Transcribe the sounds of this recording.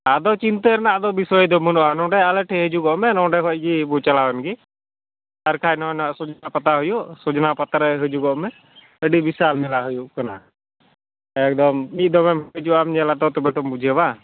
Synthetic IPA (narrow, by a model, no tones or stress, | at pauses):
ad̪ɔt͡ʃint̪əɾnaad̪ɔbisɔjd̪ɔmunɔanɔ̃ɖɛalɛʈʰɛɦəd͡ʒuɡɔʔmɛnɔɖɛɦɔj̚ɡibut͡ʃalawɛnɡi | t̪aɾkʰajnɔɔnaʔsud͡ʒnapat̪aɦujuʔsud͡ʒnapat̪ɾɛɦəd͡ʒuɡɔʔmɛ | əɖibisalnɛlaɦujuʔkɔna̰ | ɛk̚d̪ɔmːiˀd̪ɔmɛmd͡ʒuamɲɛlat̪ɔt̪ɔbɛʈ̪ɔmbud͡ʒʱiəba